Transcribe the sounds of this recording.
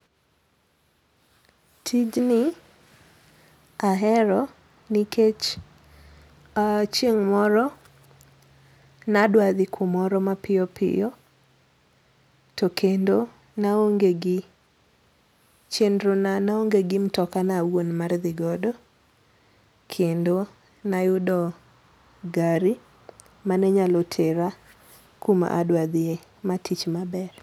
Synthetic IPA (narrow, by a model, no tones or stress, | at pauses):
tʰid͡ʒnɪ | aɦɛɾɔ | nikʰet͡ʃ | at͡ʃjeŋmɔɾɔ | nadwaðɪkʰʊmɔɾɔmapɪɔpʰɪ̰jɔ | tokʰendo | naoŋɡeɡɪ | t͡ʃendɾonanaoŋɡeɡɪmtɔkanawonmard̪ɪɡɔdɔ | kʰendo | najʊdɔ | ɡaɾi | manɛɲalɔtʰeɾa | kuma̰ʔa̰dwad̪ɪe | matʰit͡ʃmabɛr